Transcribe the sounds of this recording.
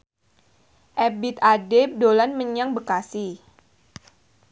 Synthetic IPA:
ʔɛbit̪̚adep̚dolanməɲaŋbəkasi

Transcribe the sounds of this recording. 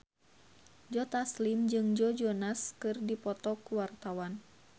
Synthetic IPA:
d͡ʒɔt̪aslimd͡ʒɨŋd͡ʒɔd͡ʒɔnaskɨrdipɔt̪ɔkuwart̪awan

